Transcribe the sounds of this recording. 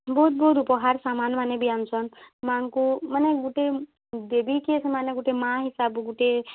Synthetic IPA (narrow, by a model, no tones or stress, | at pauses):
bɔut̪̚bɔːt̪̬upɔɦaɾsamanmanebiansʰɔnmãŋkumaneɡuʈe | d̪ebikesʰəmaːneɡuʈemãɦisaːbɡuʈe